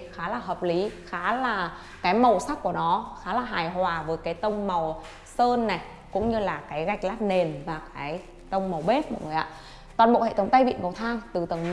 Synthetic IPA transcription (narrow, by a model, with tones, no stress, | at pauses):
xaː˨˦laː˨˩ɦəː˨˩p̚li˨˦xaː˨˦laː˨˩ | kaː˨˦jmə˨˩wsa˦˥k̚ku˧˩ənɔ˨˦xaː˨˦laː˨˩ɦaː˨˩jɦwaː˨˩vəː˨˦jkaː˨˦jt̪ə˧wŋ͡mma˨˩w | səː˧nːa˨˩j | kʊ̰˧˥ŋ͡mɲɨ˧laː˨˩kaː˨˦jɣa˨˩jk̟̚laː˦˥t̚ne˨˩nvaː˨˩kaː˨˦j | t̪ə˧wŋ͡mmə˨˩wɓe˦˥t̚ma̰ː˧˨jŋɨ˨˩ʔaː˧˥ | t̪waː˨˩nɓo̰˧˨hḛ˧˨t̪ʰə˨˦ŋ͡mt̪a˧jvḭ˧˨nŋə˨˩wt̪ʰaː˧ŋt̪ɨ˨˩t̪ə˨˩ŋ